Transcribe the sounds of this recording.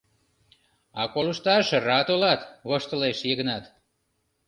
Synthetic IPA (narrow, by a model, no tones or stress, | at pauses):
ɑkoləʃt̪ɑʃɤrɑt̪olɑt̪βəʃt̪əleʃjeɣənɑt̪